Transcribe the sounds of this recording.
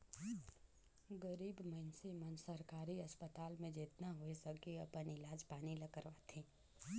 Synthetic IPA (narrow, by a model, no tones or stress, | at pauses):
ɡəɾiːbmənsemənd͡ʒsəɾkaːɾiɐspət̪aːlmẽd͡ʒɪt̪naɦoesəɡiɐpənɪlaːd͡ʒpaːnilɐkəɾʋaːt̪ʰĩː